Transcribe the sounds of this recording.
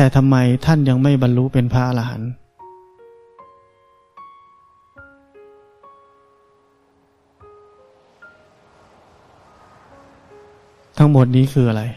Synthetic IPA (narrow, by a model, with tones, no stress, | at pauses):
t̪ɛː˨˩t̪ʰa˧mːa˧jt̪ʰa˥˩nja˧ŋma˥˩jba˧nlu˦˥pe˧npʰa˦˥ʔa˧la˧ɦa̰˩˦n | t̪ʰa˦˥ŋmo˨˩t̪̚niː˦˥kʰɯː˧ʔa˧ɾa˧j